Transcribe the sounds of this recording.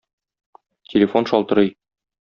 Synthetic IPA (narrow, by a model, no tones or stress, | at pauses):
tʲʰelʲɪfo̞nʃɒlˠt̪ɤ̆ɾɤj